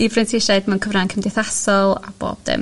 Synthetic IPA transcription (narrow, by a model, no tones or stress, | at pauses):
ivrɛntʰɪʃadmɛwnkʰəvrankʰəmdɪθasɔlˠa̰b̥o̰ːb̥̚dɪ̰m